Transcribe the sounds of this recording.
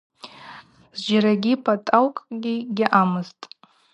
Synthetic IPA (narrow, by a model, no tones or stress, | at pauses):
z̥d͡ʒaɾaɡʲipʰatʼawkʼɡʲiɡʲaʔamɨztʼ